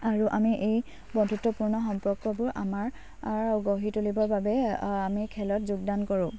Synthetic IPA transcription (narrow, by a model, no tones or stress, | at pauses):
aɹuʔamiʔej | bɔdʱutːɔpuɹnɔxɔmpɔkːɔbʊɹʔa̰maɹ | aɹɡoɦitulibɔɹbabɛamikʰɛlɔtzuɡdankɔɹʊ̃